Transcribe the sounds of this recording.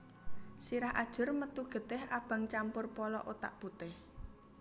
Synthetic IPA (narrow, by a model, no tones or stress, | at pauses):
siɾahʔa̰d̥ʒ̥ʊ̤rmət̪uɡ̥ə̤d̪̥ɪhab̥a̤ŋt͡ʃampʊrpɔlɔ̰ʔot̪a̰ʔb̥ut̪ɪh